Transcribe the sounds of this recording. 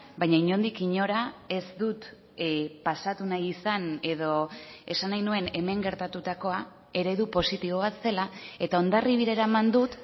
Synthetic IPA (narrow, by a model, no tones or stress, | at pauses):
bajɲaiɲo̞nd̪ikiɲo̞ɾae̞zd̪ut̪ | pasat̪unajisane̞ð̞o̞e̞sanajnue̞ne̞me̞ŋɡe̞ɾt̪at̪ut̪ako̞a | e̞ɾe̞ðupo̞sit̪iβ̞o̞β̞at̪se̞lae̞t̪ao̞nd̪ariβiɾe̞ɾaemand̪ut̪